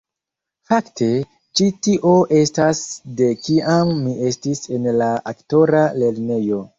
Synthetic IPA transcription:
faktʰe̞ | t͡ʃitiʔo̞ʔe̞stasde̞kiʔamːie̞stise̞nlaʔakto̞ɾale̞ɾne̞jo̞

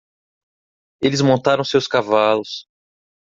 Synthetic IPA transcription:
elɪzmõnt̪aɾɐ̃w̃sewskavalʊs

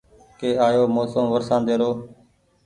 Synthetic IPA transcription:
keːaːjoːmoːsəmʋəɾsãːd̪eːɾoː

